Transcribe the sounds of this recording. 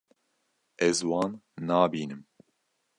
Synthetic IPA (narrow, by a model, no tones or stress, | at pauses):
ɛzwɑːnːɑːbiːnɨm